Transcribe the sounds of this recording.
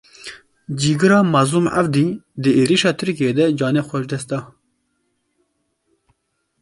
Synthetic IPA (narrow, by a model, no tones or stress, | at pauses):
d͡ʒiːɡɨɾɑːmazumʔa̰vd̪iːd̪ɨeːɾiʃɑːt̪ʰɨɾkied̪ɛd͡ʒɑːnɛxʷɛʃd̪ɛst̪̚d̪ɑː